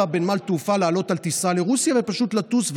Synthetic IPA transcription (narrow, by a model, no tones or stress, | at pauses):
abenmalt̪ufalaːlo̞t̪alt̪isaleʁusjave̞paʃut̪lat̪usv